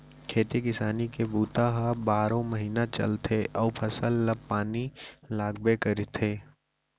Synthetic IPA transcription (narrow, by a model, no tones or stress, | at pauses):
kʰeːt̪ekɪsaːnikebuːt̪aɦabaːɾõməɦiːnat͡ʃɐ̰lt̪ʰeʔɔːpʰɐsəlːəbpaːnilaːɡ̚bekɐɾit̪ʰeː